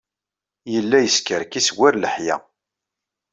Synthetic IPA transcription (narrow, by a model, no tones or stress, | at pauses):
jəlːæjəskəɾkiswæɾləħjæ̰